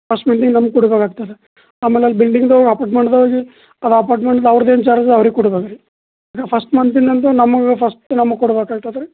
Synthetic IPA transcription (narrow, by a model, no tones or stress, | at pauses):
pʰɐsʈmɐnt̪̬iŋɡnɐmɐɡ̚kuɽubeːkaːɡ̚t̪ajd̪e | aːmeːleɐlibilɖiŋɡd̪ɡɐpaːʈmeɳɖd̪ɐʋoːɡi | ɐd̪ɐpaːɾʈmaːɳɖd̪ɐʋɐɾɐd̪eːnt͡ʃaːɾɐd͡ʒd̪ɐʋɐɾiɡkːuɽubeːkɐɾe | aːkapʰɐsʈmɐnt̪ind̪ɐnt̪unɐmːɐɡepʰɐsʈnɐmːɐɡkuɽubeːkaːɡ̚t̪ajd̪ɐɾe